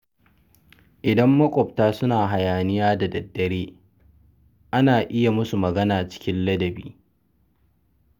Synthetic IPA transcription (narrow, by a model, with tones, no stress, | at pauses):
ʔɪ˨dɐ˦mːɐ˦kʷʼɔ˨b̚taː˦sʊ˦naː˨ɦa˨jaː˨nɪ˦jaː˦da˨dɐ˨dːɐ˨ɽeː˦ | ʔa˦naː˨ʔɪ˦ja˨mʊ˦su˨mɐ˨ɡɐ˦naː˨t͡ʃɪ̥˦kʲɪ˦nlɐ˦dɐ˨bḭː˦